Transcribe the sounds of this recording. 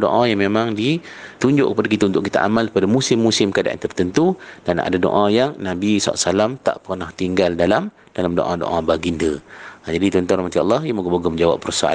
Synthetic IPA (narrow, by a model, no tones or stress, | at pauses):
do̰ʔajaŋmemãŋdi | t̪uɲd͡ʒʊ̰ʔkəpadak̬it̪aunt̪ʊʔkit̪aʔa̰malpadamusɪmːusɪmkəada̰ʔa̰nt̪ərt̪ənt̪ud̥ana̰dado̰ʔãjaŋnabisa̰la̰salamt̪a̰ʔpərnaht̪iŋɡaldalam | dalamdo̰ʔãdo̰ʔãbaɡindəd͡ʒadit̪ɔnt̪ɔnrahmat̪iɑ̰lːɑhjamoɡaboɡɔməɲd͡ʒawa̰pːəɾsaʔa̰l